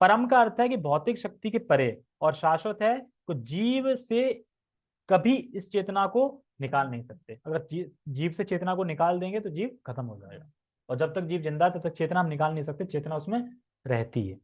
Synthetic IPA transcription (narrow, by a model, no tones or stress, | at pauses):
pɐɾəmkaɐɾt̪ʰɦɛkibʱɔːt̪ɪkʃɐk̚t̪ikepɐɾe | ɔːɾʃaːʃwət̪ɦɛ | k̪od͡ʒiːʋse | kɐbʱiɪst͡ʃeːt̪nako | nɪkaːlnɐɦĩsɐk̚t̪eɐɡəɾd͡ʒiːd͡ʒiːʋset͡ʃeːt̪nakonɪkaːld̪ẽːŋɡet̪od͡ʒiːʋkʰɐt̪əmɦod͡ʒa̰ːḛɡaː | ɔːɾd͡ʒɐb̚t̪ɐk̚d͡ʒiːʋzɪ̃nd̪aɦɛt̪ɐb̚t̪ɐk̚t͡ʃeːt̪naɦɐmnɪkaːlnɐɦĩsɐk̚t̪et͡ʃeːt̪naʊsmẽ | ɾɛɦt̪ḭɦɛ̰ː